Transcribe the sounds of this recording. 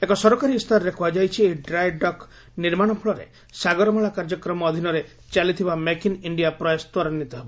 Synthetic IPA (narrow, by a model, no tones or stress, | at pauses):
ekɔsɔɾɔkaɾist̪ʰaɾɔɾekʰubad͡ʒajt͡ʃʰieɖɾajɖɔk | niɾmaɽ̃ɔpʰuɭɔɾḛ | saɡɔɾɔmaɭakaɾd͡ʒɔkɾɔmɔːd̪ʱinɔɾe | t͡ʃalit̪ʰibamekiniɳɖijapɾɔjɔst̪waɾɔnit̪ɔɦebɔ